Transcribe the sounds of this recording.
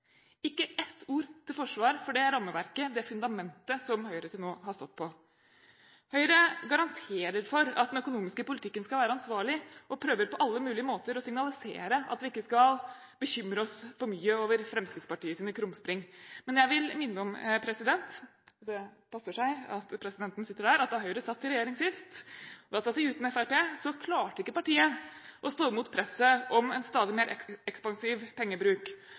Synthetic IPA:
ɪkːəɛt̪ʰːuːɾt̪ʰɪlfɔʂʋɑːɾfɔɖɛɾːɑmːəʋæɾkəd̪ɛfʉnd̪ɑmɛnt̪əsɔmhœʏɾət̪ʰɪlnoːɦɑʂt̪ɔt̪̚ːpʰɔ | hœʏɾəɡɑɾɑnt̪ʰeːɾəɾfɔɾɑ̰t̪̚d̪ɛnœkʊnuːmɪskəpʊlɪt̪ʰɪkːənskɑʋæːɾəɑnsʋɑːɭɪʔɔpʰɾøːʋəɾpɔʔɑlːəmʉːlɪəmoːt̪əɾɔsɪŋnɑlɪsḛːɾəʔɑ̰t̪ʋɪɪkːəskɑl | bəçʏmɾəɔsfɔɾmyːəoːʋəɾfɾɛmskɾɪt̪spɑʈiːəsiːnəkʰɾʊmspɾɪŋmɛnjæɪʋɪlmɪnːəɔmpʰɾɛsɪd̪ɛnt̪ | ɔd̪ɛ | pʰɑsːəʂæɪɑt̪pʰɾɛsɪd̪ɛnt̪ən̩sɪt̪ːəɖæːɾɑt̪̚d̪ɛhɑʊɾəsɑt̪ʰːɪɾɛjeːɾɪŋsɪst̪d̪ɑːsɑt̪ːɪʉːt̪nɛfæɾpeːsɔkʰlɑːʈəɪkːəpɑʈiːəʔɔst̪oːɪmuːt̪pʰɾɛsəʔɔmɛnst̪ɑːd̪ɪmeːɾʔɛɛkspɑŋsiːʋpʰɛŋːəbɾʉːk

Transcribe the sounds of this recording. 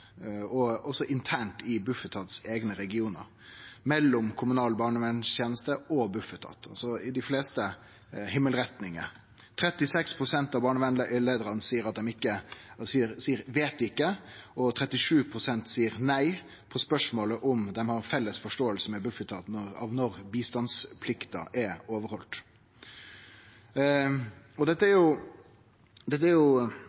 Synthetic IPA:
ɔɔsɔʔɪnt̪ʰæːɳʈɪbʉfət̪ʰɑt̪seːɡnəɾɛɡɪuːnə̰ɾ | mɛlːɔmkʰʊmʉnɑːlbɑːɳəʋɛnst̪ʰjeːnəst̪əɔbʉfət̪ʰɑ̰ːt̪ʰɑ̰lsɔɪd̪ɪfleːst̪ə | hɪmːəlɾɛt̪nɪŋə̰ | t̪ʰɾɛt̪ːɪsɛkspʰɾʊsɛnt̪ɑʋbɑːɳəʋɛnleːd̪əɾɑnəsiːəɾɑt̪̚d̪ɛmɪkːəsiːəɾsiːəɾʋeːt̪d̪ɪkːəɔt̪ʰɾɛt̪ːɪʂʉːpʰɾʊsɛnt̪siːəɾnæɪ | pʰɔspœʂmoːləʔʊmd̪ɛmhɑɾfɛlːəsfɔʂʈoːəlsəmɛbʉfət̪ʰɑːt̪ɑ̰ʋnɔɾbiːst̪ɑnspʰlɪkt̪ɑ̰ʔɛɾoːʋəɾhɔlt̪ | ɔd̪ɛt̪ːəæɾjʊ | d̪ɛt̪ːəæɾjʊ

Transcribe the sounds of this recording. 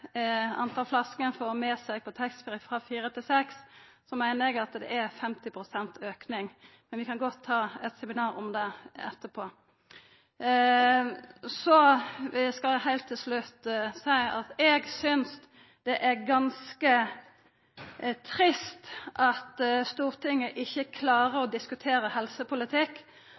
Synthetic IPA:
ɑ̰nt̪ʰɑːlflɑskənfɔɾɔmɛːsɛɡ̚pʰɔt̪ʰɛksbɾɪkfɾɑfiːɾət̪ʰɪlsɛks | sɔmæɪnəɾɛɡɑt̪d̪ɛ̰ʔæɾfɛmt̪ɪpʰɾʊsɛnt̪øːknɪŋ | mɛnʋɪkʰɑnɡɔt̪ʰːɑːɛt̪sɛmɪnɑːɾɔmd̪ɛɛ̰t̪ːəpʰoː | sɔɪskɑlhæɪlt̪ʰːɪlslʉt̪sæɪɑt̪ɛɡsʏns | d̪̥ɛʔæɾɡɑnskə | t̪ʰɾɪst̪ʔɑt̪st̪uːʁt̪ʰɪŋːəʔɪçːəkʰlɑːɾəɾɔd̪ɪskʉt̪ʰeːɾəhɛlsəpʊlɪt̪ʰɪkː

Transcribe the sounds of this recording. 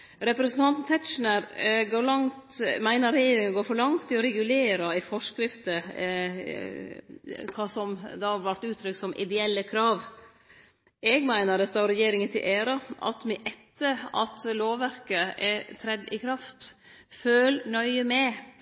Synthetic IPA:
ɾɛpɾɛsən̩t̪ʰɑnt̪n̩t̪ʰɛt̪ʃn̩əɾɡoːɭɑŋt̪mæɪnəɾɛjeːɾɪŋənɔɡoːɾfɔɾɭɑŋt̪ʰːɪɔɾɛɡʉleːɾɑɪfɔʂkɾɪft̪ə | kʰɑːsɔmd̪ɑɑɾʋæɾt̪ʉːt̪ʰːɾʏkt̪sɔmʔɪ̰d̪ɛɛlːəkʰɾɑːʋ | ɛɡmæɪnəɾdɛst̪ɑːɾɛjeːɾɪŋənt̪ʰɪ̰lʔeːɾɑʔɑ̰t̪mɛʔɛt̪ʰːəɑ̰t̪loːʋæɾkəɛt̪ʰɾɛd̪ːɪ̰kʰɾɑft̪ | føːlnœʏəmɛ

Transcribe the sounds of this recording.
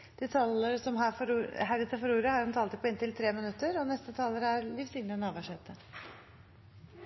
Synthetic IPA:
d̪̥ɛt̪ʰɑləɾsɔmɦɑfɔɾhæɾət̪ʰəfɔɾuːɾəhɑɾʉnt̪ʰɑːlt̪əpʰɔɪnt̪ʰɪlt̪ʰɾeːmɪnʉt̪ːəɾɔnɛst̪ət̪ʰɑːləɾæɾlɪʋsɪŋnənɑːʋɑʂeːt̪ə

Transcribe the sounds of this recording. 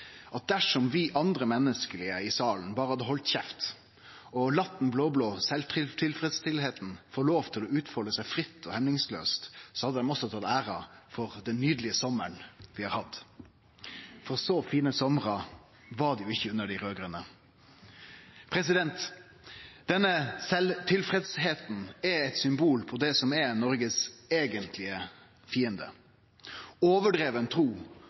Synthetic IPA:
ʔɑt̪̚d̪æʂɔmʋɪʔɑnd̪ɾəmɛnːəskəlɪəɪsɑːln̩bɑːʁəhɑd̪ːəɦɔlt̪çɛft̪ | ɔlɑt̪ːn̩bloːbloːsɛlt̪ʰɪt̪ʰɪlfɾɛd̪st̪ɪlheːt̪n̩foːɾɭoːʋt̪ʰɪlɔʉːt̪fɔləsæɪfɾɪt̪ʰːɔhɛmnɪŋslø̰ːst̪sɔhɑd̪ːəd̪ɛmɔsɔt̪ʰɑt̪ːæːɾɑfɔʁd̪ɛnːyːd̪lɪəsɔmːəɳʋɪhɑːɾhɑd̪ | fɔʁsɔfiːnəsɔməʁɑ | ʋɑɖ̪ɛjʊɪçːəʉnəɖɪɾøːɡɾənə | pʰɾɛs̬ɪd̪ɛnt̪ | d̪ɛnːəsɛlt̪ʰɪlfɾɛd̪sheːt̪n̩ɛɛt̪sʏmbuːlpʰɔd̪ɛsɔmɛnɔɾɡəseːɡənt̪ʰlɪə | fiːənd̪ə̰ | oːʋəɖɾeːʋənt̪ʰɾuː

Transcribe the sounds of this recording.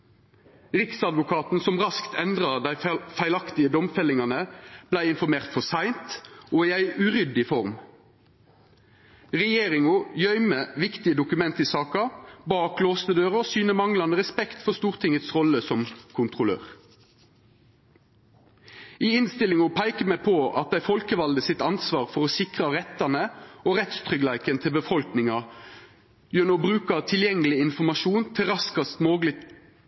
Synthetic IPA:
ʁɪksɑd̪ʋʊkʰɑːt̪n̩sɔmʁɑskt̪ʰɛnd̪ʁɑd̪æɪfæɪlɑkt̪ɪəd̪ɔmfɛlɪŋɑnəb̥læɪɪnfɔʁmeːʁt̪fɔsæɪnt̪ʔoːiːæɪʉʁʏd̪ɪfɔʁm | ʁɛjeːʁɪŋʊjœʏməʋɪkt̪ɪəd̪ʊkʉmɛnt̪iːsɑːkɑbɑːkloːst̪əd̪øːʁəoːsyːnəmɑŋlɑnəʁɛspɛkt̪fɔʁst̪uːʁt̪ʰɪŋət̪sʁɔləsɔmkʰʊnt̪ʁʊlø̰ːʁ | iːɪnst̪ɪlɪŋɔpʰæɪkəmæpʰoɑ̰t̪̚d̪æɪfɔlkəʋɑld̪əsɪt̪ɑnsʋɑːʁfɔʁɔsɪkʁɑʁɛt̪ːɑnəoʁɛt̪st̪ʰʁʏɡlæɪkənt̪ʰɪlbəfɔlknɪŋɑ | jœnɔbʁʉːkɑt̪ʰɪljɛŋːəlɪɪnfɔmɑʃuːnt̪ʰɪʁɑskɑst̪moːɡlɪ

